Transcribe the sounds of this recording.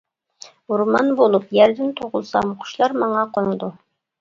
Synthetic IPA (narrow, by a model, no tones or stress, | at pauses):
uɾmɑnbolˠupjæɾd̪ɪnt̪ʰoʁʊlˠsɑmqʰʊ̥ʃlˠɑɾmɑɴɑqʰonɨd̪u